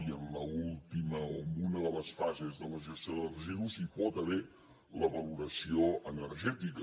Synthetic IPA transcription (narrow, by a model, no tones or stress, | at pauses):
iəmləulˠt̪iməomunəðələsfazezðələʒəst̪joðərəziðuzipɔt̪əβɛɾ | ləβəluɾəsioənəɾʒɛt̪ikə